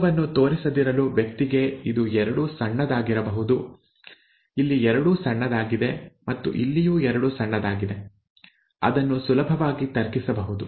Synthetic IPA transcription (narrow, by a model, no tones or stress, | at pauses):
ɐʋɐnːut̪o̞ːɾisɐd̪iɾɐluːʋjɐk̚t̪iɡe̞id̪uɛɾɐɽusɐɳːɐd̪aːɡiɾɐbɐɦud̪u | ilːiɛɾɐɽusɐɳːɐd̪aːɡid̪e̞mɐt̪ːṵʔilːijuːɛɾɐɽusɐɳːɐd̪aːɡid̪e̞ | ɐ̰d̪ɐnːusulɐbʱɐʋaːɡit̪ɐɾkisɐbɐɦud̪u